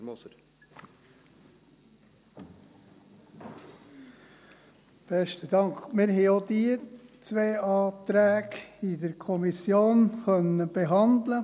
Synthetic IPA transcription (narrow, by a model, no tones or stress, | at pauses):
b̥ɛʃtəd̪ɑŋkmɪɾɦɛɪod̪iːt͡sʋeːʔɑːt̪ɾæːɡid̪əɾkʰɔmisjoːnxœnəb̥eɦɑnd̪lə